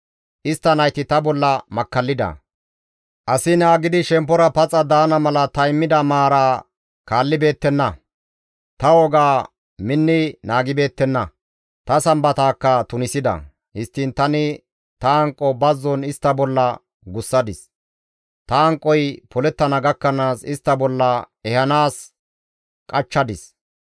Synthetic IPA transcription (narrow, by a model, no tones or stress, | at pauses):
ʔɪst̪ːɐnɐjt̪ɪt̪ɐbɔlːɐmɐkːɐlːɪd̪ɐ̰ | ʔɐsɪnaːɡɪd̪ɪʃɛmpːɔɾɐpɐt͡sʼːɐd̪aːnɐmɐlɐt̪ɐjmːɪd̪ɐmaːɾaː | kaːlːɪbe̞ːt̪ːɛnːɐ | t̪ɐwɔɡaː | mɪnːɪnaːɡɪbe̞ːt̪ːɛnːɐ | t̪ɐsɐmbɐt̪aːkːɐt̪ʊnɪsɪd̪ɐ̰ | hɪst̪ːɪnt̪ɐnɪ | t̪ɐɐŋkʼːɔbɐzːɔnɪst̪ːɐbɔlːɐ | ɡʊsːɐd̪ɪs | t̪ɐːŋkʼːɔjpʰɔlɛt̪ːɐnɐɡɐkːɐnaːsɪst̪ːɐbɔlːɐ | ɛhɐnaːs | kʼɐt͡ʃːɐd̪ɪs